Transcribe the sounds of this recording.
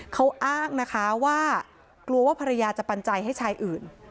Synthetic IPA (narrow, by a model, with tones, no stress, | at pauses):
kʰa˦˥wʔaː˥˩ŋna˦˥kʰa˦˥waː˥˩ | klu˧ɐwaː˥˩pʰa˧ɾa˧jaː˧t͡ɕa˨˩pa˧nt͡ɕa˧jɦa˥˩jt͡ɕʰaː˧jʔɯː˨˩n